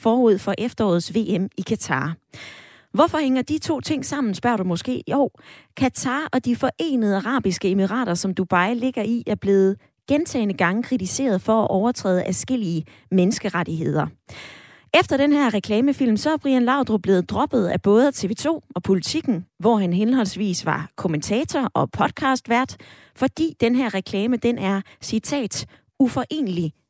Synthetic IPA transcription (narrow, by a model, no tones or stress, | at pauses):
fɒːuð̰ˠfɒ̽ʔefd̥ɐɒ̰ːð̩ˠsʋe̝̰ːemikʰæt͡sʰɑ̰̈ː | ʋɒfɒ̽heŋ̰ɐd̥it͡sʰo̝̰ːt͡sʰe̝ŋ̰sɑ̈m̰n̩sb̥ɶɐ̰ɾ̥umɔ̽sɡ̥e̝̰ːjoʊ̰kʰæt͡sʰɑ̈ːɒ̽d̥ifɒ̽ʔe̝̰ːnəð̞̩ˠɑʁɑ̰̈ːb̥isɡ̥əe̝miʁɑ̰̈ːɾ̥ɐsɒ̽md̥ub̥ɑ̈ɪle̝ɡ̥ɐiæɐb̥le̝ːð̞̩ˠ | ɡ̥ent͡sʰɛ̰ɪnəɡ̥ɑ̈ŋəkʰʁit͡sʰise̝̰ːɐð̞ˠfɒ̽æʔɒʊɐt͡sʰʁɛ̰ːðˠʔæsɡ̥e̝l̰iə | menəsɡ̥əʁaɾ̥iɦe̝ð̞̰ˠɐ | ʔefd̥ɐɾ̥enɦæɐ̰ʁɛkʰlɛːməfil̰msɒ̽æb̥ʁiænlɑ̈ʊ̰d̥ʁob̥le̝ːð̞̩ˠd̥ʁɒ̽b̥ð̞̩ˠæb̥ɔ̽ːð̞ˠət͡sʰe̝ʋe̝ːt͡sʰo̝̰ːɒ̽pʰo̝lit͡sʰiɡ̥n̩ʋɒɦænɦenɦɒ̽l̰sʋḭːsʋɑ̈kʰo̝mənt͡sʰɛ̰ːt͡sʰɒʔɒ̽pʰɒ̽d̥̚kʰɑ̈ːsd̥ʋæɐd̥ | fɒ̽d̥ḭːd̥enɦæɐ̰ʁɛkʰlɛːməd̥enʔæɐsit͡sʰɛ̰ːd̥ | ufɒ̽ʔe̝̰ːnəli